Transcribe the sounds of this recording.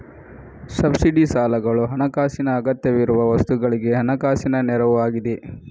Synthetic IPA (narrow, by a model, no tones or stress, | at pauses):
sɐbsiɖisaːlɐɡɐɭuɦɐnɐkaːsinɐːɡɐt̪jɐʋiɾuʋɐʋɐst̪uɡɐɭiɡe̞ɦɐnɐkaːsinɐnɛɾɐʋuaːɡid̪e